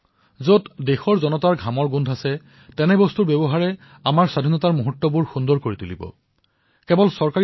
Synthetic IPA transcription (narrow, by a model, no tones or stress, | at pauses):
zotdexɔɹzɔnɔtaɹɡʱamɔɹɡundʱasɛ | tɛnɛbɔstuɹbɛbɔɦaɹɛ | amaɹsadʱinɔtaɹmuɦutːɔbuɹxundɔɹkoɹitulḭbɔ̰ | kɛbɔlsɔɹkaɹi